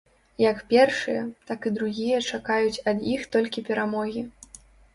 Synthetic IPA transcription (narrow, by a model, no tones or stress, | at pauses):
jɐkpʲɛrʂɨjɐt̪akɨd̪ɾuɣʲijɐt͡ʂakajut͡sʲɐd̪ixt̪ɔlʲkʲipʲɛɾamɔɣʲi